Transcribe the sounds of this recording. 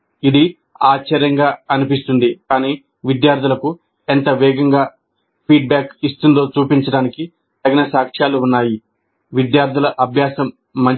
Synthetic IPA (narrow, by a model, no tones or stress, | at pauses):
id̪i | aːt͡ʃɐɾɐŋɡaːɐnipist̪und̪ikaːniː | ʋid̪jaːɾd̪ʱulɐku | ent̪ɐʋɛːɡɐŋɡaː | pʰiːɖ̚baːkist̪und̪o̞ːt͡ʃuːpiɲt͡ʃɐɽaːniki | t̪ɐɡɐnɐsaːkʂjaːluːnːaːji | ʋid̪jaːɾd̪ʱilɐʔɐbʱjaːsɐmː | ɐɲ